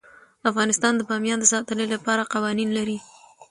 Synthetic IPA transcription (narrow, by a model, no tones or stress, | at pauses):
afɣɑnɪst̪ɑnd̪əbɑmjɑnd̪əsɑt̪əlelapɑɾaqawɑninlaɾi